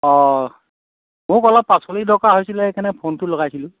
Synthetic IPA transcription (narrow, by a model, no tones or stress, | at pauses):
ɔ | mʊkɔlɔpːasolidɔkaɦojsilɛkanɛpʰontʊloɡajsilʊ̃